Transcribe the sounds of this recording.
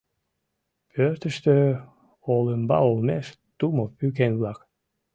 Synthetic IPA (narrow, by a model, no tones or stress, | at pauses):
pʰørt̪ə̆ʃt̪ø | oləmbɑ̰olmeʃ | t̪umopykenβlɑk